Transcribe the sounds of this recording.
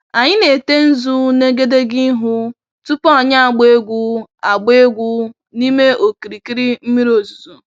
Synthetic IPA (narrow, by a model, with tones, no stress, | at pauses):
a˨ɲɪ˦ne˨te˦n̩˦zu˦ne˦ɡe˦de˦ɡɪ˦ɦʊ˦ | tu˦pɔ˦a˨ɲa˦a˨ɡ͡be˦ɡʷu˦a˨ɡ͡be˦ɡʷu˦ | ni˦me˦o˨ki˨ɾi˨ki˦ɾi˦m̩˦mi˦ɾo˨zu˨zu˨